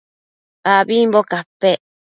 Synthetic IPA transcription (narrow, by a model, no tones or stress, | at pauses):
aβimbokape